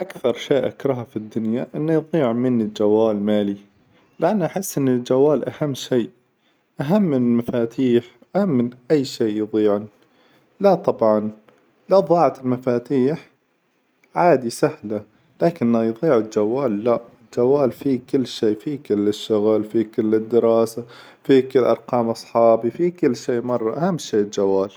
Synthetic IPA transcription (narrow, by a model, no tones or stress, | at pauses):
ʔakθɑɾˤʃeːʔakɾˤɑɦɑfid̪ːʊnjaʔɪnːajðˤiːʕmɪnɪld͡ʒawːaːlmaːli | lɪʔanːʔaħɪsːʔɪnːɪld͡ʒawːaːlʔahamːʃeːʔ | ʔaɦamːɪnɪlmafaːt̪ʰiːħ | ʔahamːɪnʔajːʃeːʔjðˤiːʕan | lat̪ˤɑbʕɑn | laðˤɑːʕat̪ɪlmafaːt̪iːħ | ʕaːd̪isahla | laːkɪnːajðˤiːʕɪld͡ʒawːaːlːaʔɪld͡ʒawːaːlfikɪlːʃeːfikɪlːɪʃːʊɣalfikɪlːɪd̪ːɪɾɑːsa | fikɪlːʔɑɾˤqɑːmʔɑsˤħɑːbifikɪlːʃeːʔmɑrˤːɑʔahamːʃeːld͡ʒawːaːl